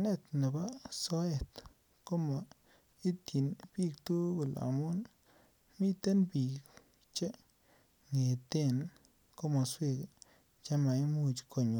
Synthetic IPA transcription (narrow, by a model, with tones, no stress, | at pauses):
ne˦˧t̪ne˨ba˦so˦e˨t̪ | ko˦ma˨ | i˦t̪i˨nbi˦kt̪u˦be˨la̰˨mu˦n | mi˦t̪e˦nbi˨k | t͡ʃe˦ | ŋe˨t̪e˦˨n | ko˦mo˨swe˦˧ɡ | t͡ʃa˦ma˨jmu˧t͡ʃkʰo˨ɲ˨